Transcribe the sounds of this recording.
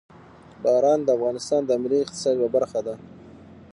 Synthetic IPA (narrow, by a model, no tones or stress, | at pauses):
bɑɾɑnd̪əafɣɑnɪst̪ɑnd̪əamɪliɪq̚t̪ɪ̥sɑd̪wabaɾxad̪a